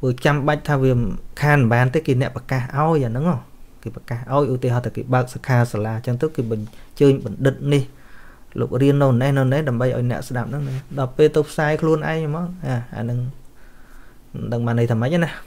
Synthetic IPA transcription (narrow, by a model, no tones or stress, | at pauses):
pɨːt͡ɕamɓac̚t̪ʰaːʋiəkʰaːnɓaːnt̪eːkeːnɛ̆əʔpakaːhʔaɔjʔaːnɨŋːɔːkeːpakaːhʔaɔjʔut̪eəɦat̪ʰaːkḛːɓaək̚sakʰaːsalaːt͡ɕəŋt̪əwkeːɓɑɲt͡ɕəːɲɓɑnɗɨt̪̚nih | lo̰ːk̚riənːownnɛhnɨwnɛhɗaəmɓəjʔa̰ɔjnɛ̆əʔsɗap̚nɨŋnɨɗɑlpeːlt̪ɨwpʰsaːjkʰluənʔa̰ɛŋmɑːŋ̚ʔaːʔa̰ːnɨŋ | ɗəŋɓaːnːɨjt̪ʰaːmac̚ʔanah